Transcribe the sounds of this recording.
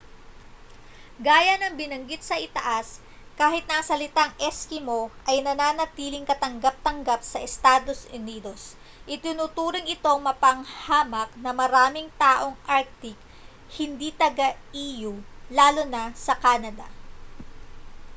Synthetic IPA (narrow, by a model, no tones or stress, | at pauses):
ɡaːjɐnɐŋbɪnɐŋɡit̪̚sɐʔɪt̪ɐʔas | kaːhɪt̪nɐɐsɐlɪt̪aŋʔɛskɪmo̞ʔɐjnɐnaːnɐt̪iːlɪŋkɐt̪ɐŋɡap̚t̪ɐŋɡap̚sɐʔɛst̪aːd̪o̞sʊniːd̪o̞s | ʔɪt̪ɪnut̪uːɾɪŋɪt̪o̞ŋmɐpɐŋhaːmɐk̚nɐmɐɾaːmɪŋt̪aːʔo̞ŋʔaɾk̚t̪ɪk̚ | hɪnd̪it̪ɐɡaʔiːjulaːlonɐsɐkaːnɐd̪ɐ̰